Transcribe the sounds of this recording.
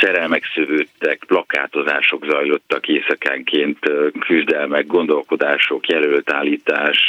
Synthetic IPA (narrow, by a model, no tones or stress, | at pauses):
t͡ʃɛɾɛlmɛksøvøːt̪ːɛkplɒka̰ːt̪o̞zaːʃo̞ɡzɒjlo̞t̪ːɒkeːsɒka̰ːŋkʰeːnt̪kʰyzd̪ɛlmɛɡ̚ɡo̞nd̪o̞lko̞d̪aːʃo̞kjɛlølt̪aːlːiːt̪aːʃ